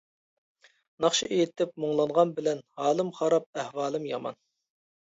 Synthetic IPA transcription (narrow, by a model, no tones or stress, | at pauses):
nɑχʃiʔejɪt̪ɪp̚moŋlˠɑɴʁɑnbɪlɛnhɑːlˠɨmχɑɾɑp̚ɛhwɑːlˠɨmjɑmɑ̰n